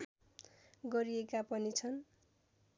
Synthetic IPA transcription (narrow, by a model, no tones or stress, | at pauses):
ɡʌɾiekapʌnit͡sʰʌn